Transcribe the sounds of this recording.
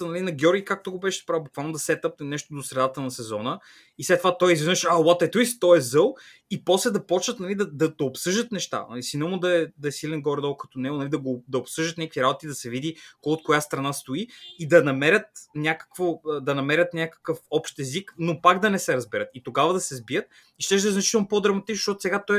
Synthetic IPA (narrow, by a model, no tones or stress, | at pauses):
nɐlinɐɡʲɔɾɡʲikak̚t̪oɡobɛʃɛ̥spɾavbukvalˠnod̪ɐsɛt̪əp̚nɛnɛʃt̪od̪osɾɛd̪at̪ənɐsɛzɔnə | islɛt̪ːovat̪ɔjizvɛnəʃawɔt̪ɛt̪uist̪ɔɛzɤlˠ | ipɔslɛd̪ɐpɔt͡ʃnət̪nɐlid̪ɐd̪ɐd̪ɐopsɤʒd̪ət̪nɛʃt̪a̰nɐ̰lisinomʊd̪ɐɛd̪ɐɛsilɛnɡɔɾɛd̪ɔlˠkɐ̥t̪onɛʊnɐlid̪ɐɡod̪ɐopsɤʒd̪ət̪nʲakkviɾabot̪id̪ɐsɛvid̪ikot̪̚kojast̪ɾɐnast̪oiid̪ɐnɐmɛɾʲət̪nʲakə̥kvod̪ɐnɐmɛɾʲət̪nʲakə̥kəfɔpʃt̪ɛziknopakd̪ɐnɛsɛɾɐzbɛɾət̪it̪oɡavəd̪ɐsɛzbijət̪ | iʃt̪ɛʒd̪ɐɛznɐt͡ʃit̪ɛlˠnopɔd̪ɾɐmɐt̪it͡ʃnʃtɔt̪ʊ̥sɛɡat̪ɔj